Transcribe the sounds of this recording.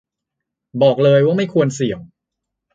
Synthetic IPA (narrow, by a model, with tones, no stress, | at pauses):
bɔː˨˩k̚lɤː˧jwaː˥˩ma˥˩jkʰu˧ənsi˨˩˦ŋ